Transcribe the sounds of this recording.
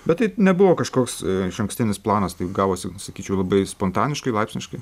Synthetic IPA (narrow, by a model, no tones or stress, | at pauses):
bʲɛt̪t̪ːɐɪnʲɛbʊʋoːkɐʃkoːksɪʃɐŋksʲt̪ʲɪnʲɪsplˠɑːnɐst̪ɐɪɡɑːʋoːsʲɪsɐkʲiːt͡ʃʲɛʊlˠɐbɐɪspoːnt̪ɑːnʲɪʃkɐɪlˠɐɪpsʲnʲɪʃkɐɪ